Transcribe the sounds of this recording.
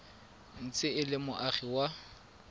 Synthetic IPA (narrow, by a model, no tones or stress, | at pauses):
n̩t͡sʼɪɪlɪmʊʔaχiwa